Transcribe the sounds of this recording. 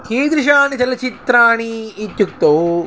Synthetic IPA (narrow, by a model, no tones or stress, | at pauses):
kiːd̪ɾɪʃaːnit͡ʃɐlɐt͡ʃit̪ɾaːɳiːt̪juk̚t̪oː